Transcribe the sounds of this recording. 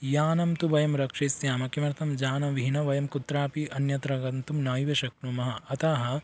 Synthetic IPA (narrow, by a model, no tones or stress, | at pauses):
jaːnɐmt̪uʋɐjɐmɾɐkʂeːsjaːmɐkimɐɾt̪ʰɐmd͡ʒaːnɐʋiɦinɐʋɐjɐmkut̪ɾaːpiɐnjɐt̪ɾɐɡɐnt̪umnaːjʋɐʃɐk̚numɐɦɐɐt̪aːɦɐ̆